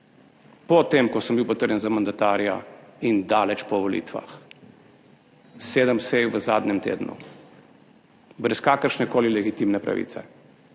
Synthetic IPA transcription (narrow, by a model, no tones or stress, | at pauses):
pɔt̪emkɔsəmbiwpɔt̪əɾjɛnzamand̪at̪aːɾja̰ind̪aːlɛt͡ʃpɔʋɔlḭːt̪ʋa̰x | seːd̪əmsejʋəzaːd̪ɲʲɛmt̪ḛːd̪nṵ | bɾɛskaːkəɾʃnɛkoːlilɛɡit̪imnɛpɾa̰ʋḭːt̪sɛ̰